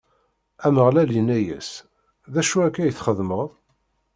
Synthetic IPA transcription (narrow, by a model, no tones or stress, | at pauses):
æməʁlælinːæjæ̰s | ðæʃuækːæjəθχəðməðˤ